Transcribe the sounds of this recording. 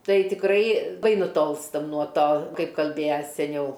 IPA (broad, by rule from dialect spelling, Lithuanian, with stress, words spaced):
ˈtɐɪ tʲɪkˈrɐɪ ˈbɐɪ nʊˈtoːlˠstɐm nuɔ ˈtoː ˈkɐɪp kɐlʲˈbʲeːjɛ sʲɛˈnʲɛʊ